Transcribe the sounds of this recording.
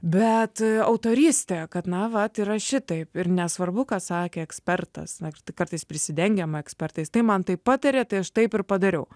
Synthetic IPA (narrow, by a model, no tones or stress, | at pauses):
bʲɛt̪ɐʊt̪oːɾʲiːsʲt̪ʲɛkɐt̪nɐʋɐt̪iːɾɐʃʲɪt̪ɐɪpɪrnʲɛsʋɐrbʊkɑːsɑːkʲeːɛksʲpʲɛrt̪ɐ̰sɐt̪kɐrt̪ɐɪspʲɾʲɪsʲɪd̪ʲɛŋʲɡʲɛmɐɛksʲpʲɛrt̪ɐɪst̪ɐɪmɐnt̪ɐɪppɑːt̪ɐɾʲeːt̪ɐɪɐʃt̪ɐɪpɪrpɐd̪ɐɾʲɛʊ